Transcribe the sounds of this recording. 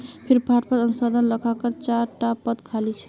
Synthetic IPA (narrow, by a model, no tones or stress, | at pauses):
pʰiɾpaʈ̚pəɾənusəd̪ʱənləkʰakəɾt͡ʃaɾʈapəd̪kʰalit͡ʃʰɛ̥